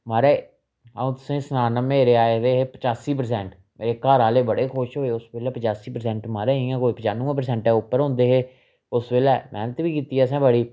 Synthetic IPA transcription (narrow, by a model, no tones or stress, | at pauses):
maːɾeː | əũːt̪ʊsẽːsənaːnəmeːɾeːaːed̪eːɦeːpət͡ʃaːsiːp̬əɾsɛ̃ːɳʈ | meːɾeːkaːɾaːleːbəɽeːkʰoʃɦoːeːʊsʋeːlɛːpət͡ʃaːsiːpəɾsɛ̃ːɳʈmaːɾeːɦĩːɛ̃ːkoːiːpət͡ʃaːnũːə̃ːpəɾs̬ɛ̃ːɳʈɛːʊpːəɾɦõːnd̪eːɦeː | ʊsʋeːlɛːmɛ̰ːnət̪ʋiːkiːt̪iːɛːs̬ɛ̃ːbəɽiː